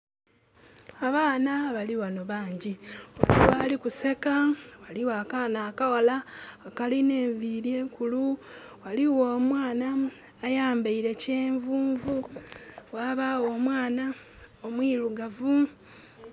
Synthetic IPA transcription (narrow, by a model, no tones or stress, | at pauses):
aβaːnaβaliwano̞βaːɲɟiokuβaːlikuse̞kawaliwakanakawalaːkaline̞ːɱviɾje̞ːŋkulu | waliwo̞ːmwaːnaː | jaːmbaiɾe̞ce̞ːɱvuːɱvu | waβawo̞ːmwaːna | omwiːluɡavu